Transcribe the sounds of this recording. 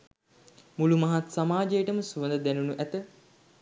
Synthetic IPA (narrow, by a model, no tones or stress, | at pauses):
mulumaɦat̪samaːd͡ʒejəʈəməsuʋənd̪əd̪ænunuʔæt̪ə